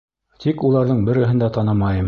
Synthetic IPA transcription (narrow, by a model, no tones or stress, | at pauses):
t̪ʰikulˠɑɾðɤɴbɘ̆ɾɘ̆ɦɘ̆nd̪æt̪ɑnɑmɑjɤm